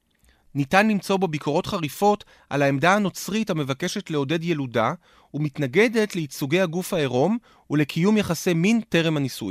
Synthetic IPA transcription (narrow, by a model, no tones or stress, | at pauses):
nitanlimt͡so̞be̞bikʰo̞ʁo̞tχaʁifo̞t | ʔa̰laemdaano̞t͡sʁithame̞vake̞ʃe̞tle̞o̞de̞dje̞luda | umitnaɡe̞de̞tleit͡suɡe̞jhaɡufhaeʁo̞m | ule̞kʰijumjaχase̞minte̞ʁe̞mhanisṵj